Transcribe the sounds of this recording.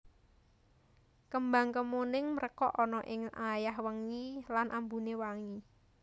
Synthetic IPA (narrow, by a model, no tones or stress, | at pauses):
kəmba̤ŋkəmonɪŋməɾʔəkɔʔɔnɔʔɪŋajahwəŋilanʔambunewaŋi